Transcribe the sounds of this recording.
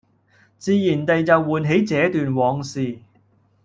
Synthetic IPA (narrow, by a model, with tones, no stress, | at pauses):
t͡siː˧jiː˨˩nt̪ɐ˨jt͡sɐ˨wːuː˨nɦe˨˥jt͡sɛː˨˥t̪yː˨nwɔː˨˧ŋsiː˨